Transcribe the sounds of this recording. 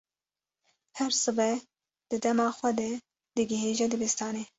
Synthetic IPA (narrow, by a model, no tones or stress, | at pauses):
hɛɾsɨbɛ | d̪̥ɨd̪ɛmɑːxʷɛd̪ɛ | d̪̥ɨɡɪheːʒɛd̪ɨbɪst̪ɑːneː